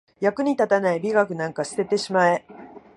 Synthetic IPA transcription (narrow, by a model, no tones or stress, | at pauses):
jakɯ̟ɲ̟it̪at̪anaibʲiɡakɯ̟nãŋkaɕi̥t̪e̞t̪e̞ɕimae̞